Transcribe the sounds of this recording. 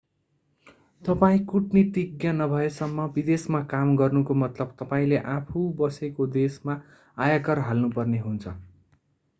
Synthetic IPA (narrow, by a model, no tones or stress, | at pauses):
t̪ʌpaĩkuʈnit̪iɡjanʌbʱʌesʌmːʌbid̪esmakamɡʌrnukomʌt̪lʌb̚t̪ʌpaĩleʔapʰubʌsekod̪esma | ajakʌrɦalnupʌrneɦunt͡sʰʌ